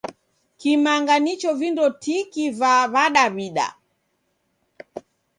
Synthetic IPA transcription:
kimaŋɡanit͡ʃɔvindɔtikivaβaɗaβiɗa̰

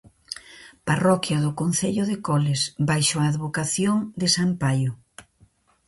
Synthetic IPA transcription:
parɔkjɐðʊkonθeʎʊðekɔlɪsbajʃoaːðβokaθjoŋd̪ɪsampajʊ

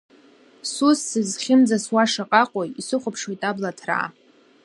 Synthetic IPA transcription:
susːɨzχʲɪmd͡zaswaʂaqʼaqʷʼojisɨχʷʊpʰʂwojtʼablatʰra̰ː

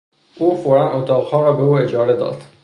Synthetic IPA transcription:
ʔuːfoɾænot̪ʰɑːʁhɒːɾɒːbeuːed͡ʒɒːɾed̪ɒ̰ːd̪̥

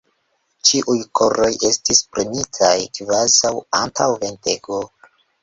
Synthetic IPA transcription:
t͡ʃiʔujkʰoɾo̞jʔe̞stispɾemitʰajkvazawantʰawve̞nte̞ɡo

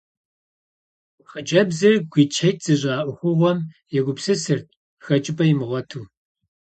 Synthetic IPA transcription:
χət͡ʃʼɐbzɨrɡʷiːt͡ʃʰɐjt̚ʰʼz̥ɨɕʼaːʔʷʊxʷʊʁʷɔm | jɛɡʷʊpsɨsɨrt̚ʰʼ | xɐt͡ʃʼɪpʰʼɐjɪmɨʁʷɔtʰuː

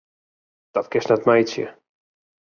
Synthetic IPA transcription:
d̥ɔtkɪsnɛtmɛjsjə̰

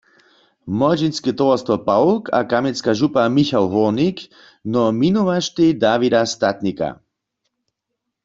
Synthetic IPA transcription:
mɔd͡ʒinskɛt̪ɔvɔst̪vɔpawlkʰa̰kamɛnskaʒupamixawɦɔnik | nɔminuʋaʃt̪id̪aːvid̪ast̪at̪nika̰

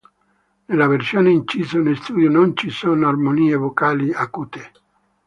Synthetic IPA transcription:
nelːaversjoːneint͡ʃiːsonelst̪uːd̪jonont͡ʃisoːnoarmoniːevokaːliakuːt̪e

